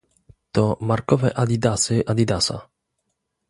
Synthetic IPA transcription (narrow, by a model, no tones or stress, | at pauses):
t̪ɔmaɾkɔvɛʔad̪id̪asɪʔad̪id̪asa̰